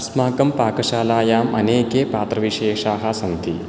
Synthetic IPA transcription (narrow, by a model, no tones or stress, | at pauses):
smaːkɐmpaːkɐʃaːlaːjaːmɐ̰neːkeːpaːt̪ɾɐʋiʃeːʃaːɦasɐnt̪ʰi